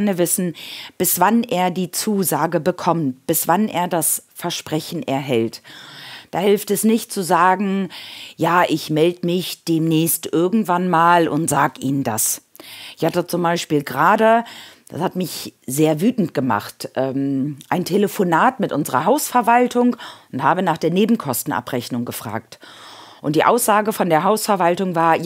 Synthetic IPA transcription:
nəvɪsn̩b̥ɪsv̥aneːɐdiːt͡suːzaːɡəbəkʰɔmt̚b̥ɪsv̥anʔḛːɐdasfɛɐʃpʁ̥ɛçn̩ʔɛɐɦɛlt | d̥aːhɪlftɛsnɪçt̚t͡suzaːɡŋ̩jaːʔɪçmɛldəmɪçd̥eːmnɛːstʔɪɐɡŋ̩tv̥anmaːlʊ̰ntz̥aːɡʔiːnəndas | ɪçhatət͡sʊmbaɪʃpiːlɡʁaːdəd̥a̰shatmɪçzeːɐvyːtn̩tɡ̥əma̰χtʔɛːmʔaɪntʰeləfonaːtmɪtʔʊnzəʁɐɦaʊsfɛɐvaltʊŋʊnthaːbənaːχd̥eːɐneːbm̩kʰɔstn̩ʔa̰pʁɛçnʊŋɡəfʁ̥a̰ːk̚tʔʊntd̥iːʔaʊsz̥aːɡəfɔndeːɐɦaʊsfɛɐvaltʊŋvaːɐj

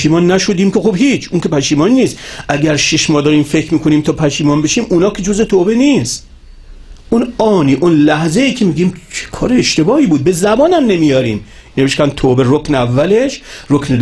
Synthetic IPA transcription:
ʃiːmɒːnːæʃod̪iːmkexobhiːt͡ʃʰuŋkʰʲe̞pʰæʃiːmɒnːiːsʔæɡʲæɾʃiʃmɒːd̪ɒːɾiːmfe̞kʰɾmiːkʰoniːmt̪ʰɒːpʰæʃiːmɒːnbeʃiːmʔunɒːkʲʰed͡ʒozet̪ʰoːbeniːst | ʔunɒːniːʔonlæhzeiːkʲʰemiːɡiːmt͡ʃʰe̥kʰɒːɾeeʃt̪e̞bɒːiːbuːd̪̚be̞zæbɒːnæmnemiːjɒːɾiːm | neeʃtkæn̚t̪ʰoːbe̞rokneævːæle̞ʃɾokne

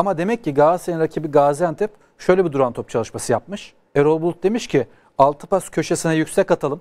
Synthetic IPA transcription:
amad̪e̞mɛc̚ːiɡasenɾacʰibiɡaːzænt̪ʰɛp | ʃø̞jlʲebid̪uɾant̪ʰo̞p̚t͡ʃʰalˠɯʃmasɯjap̚mɯʃ | ɛɾolˠbulˠt̪̚d̪e̞miʃcʰi | alˠt̪ʰɯ̥pascʰø̞ʃesinɛjycʲsɛcat̪ʰalˠɯm

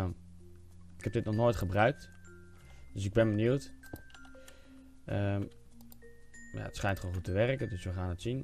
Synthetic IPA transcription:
ɪkhɛp̚dɪtnɔχnoːjtχəbrœɥk̚t | d̥øsɪɡ̚bɪnbənjuwt | ə | ja̰ətsχɛjntkolnxutəʋɛrəkədøsʋəxaːnətsin

